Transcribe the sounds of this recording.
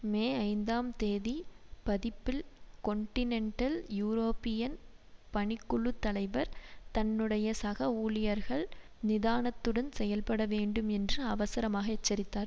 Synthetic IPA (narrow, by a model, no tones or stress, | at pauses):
meːɐɪnd̪aːmt̪eːðipɐðɪpːɪlkɔɳʈɪnɛɳʈɐljuːɾoːpːɪjɐn | pɐɳɪkːʊɭɯt̪ːɐlɐɪʋɐɾt̪ɐnːɯɽɐjɐsɐɣɐuːlɪjɐɾɣɐɭ | nɪðaːnɐt̪ːɯɽɐnsɛjɐlpɐɽɐʋeːɳɖɯmɛndrɯɐʋɐsɐɾɐmaːɣɐɛt͡ʃːɐɾɪt̪ːaːɾ